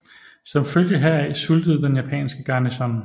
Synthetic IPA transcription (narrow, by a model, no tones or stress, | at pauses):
sɒ̽mføljəɦæɐ̰ɛɪsuld̥əð̞̩ˠd̥enjæpʰɛ̰ːnsɡ̥əɡ̥ɑ̈ːnisɒn